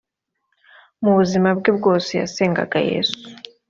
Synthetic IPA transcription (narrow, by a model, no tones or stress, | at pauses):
muβuzimab̚ɡebɡoːseja̰seːŋɡa̰ɡajḛːsu̥